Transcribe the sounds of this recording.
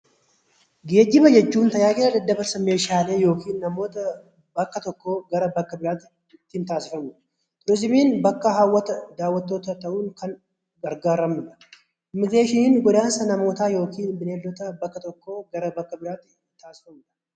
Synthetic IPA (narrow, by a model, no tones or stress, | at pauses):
ɡe̞ːɡːɪbɐd͡ʒɛt͡ʃːuːnt̪ɐjaːkʼɪlɐd̪ɐd̪ːɐbɐɾsɐme̞ːʃaːle̞ːjo̞ːkiːnːɐmoːt̪ɐ | bɐkːɐt̪ɔkːo̞ːɡɐɾɐbɐkːɐbɪɾaːt̪ | t̪ːhɪnt̪aːsɪfɐmuːᶑɐ̥ | t̪ʼɪɾɪzɪmiːnbɐkːɐɦawːɐt̪ɐd̪aːwːɐt̪ːoːt̪ɐt̪ɐʔuːnkʰɐn | ɡɐɾɡaːɾːɐmuᶑɐ̥ | ʔɪmːɪɡɾeːʃɪnɪnɡɔd̪aːnsɐnɐmo̞ːt̪aːjo̞ːkʰiːnbɪneːlːɔt̪ɐbɐkːɐt̪ɔkːoːɡɐɾɐbɐkːɐbɪɾaːt̪ː | t̪aːsɪ̥fɐmuːᶑɐ̥